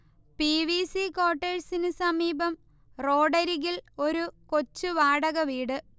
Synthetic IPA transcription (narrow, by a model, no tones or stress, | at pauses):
piʋisiko̞ːʈːeːɻsinɨsɐmiːbɐm | ro̞ːɖɐɾiɣilo̞ɾuko̞t͡ɕːuʋaːɽɐɣɐʋiːɽɨ